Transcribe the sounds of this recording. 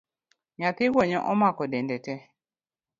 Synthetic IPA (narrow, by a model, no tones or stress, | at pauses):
ɲat̪ɪɡwɔɲɔʔɔmakɔdɛndɛtɛ